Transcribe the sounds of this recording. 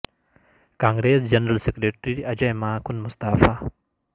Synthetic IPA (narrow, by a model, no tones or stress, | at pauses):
kãːŋɡɾeːs̬d͡ʒɐnɾɐlsekɾeʈɾiiɐd͡ʑɐjmaːkʊnmʊst̪aːfaː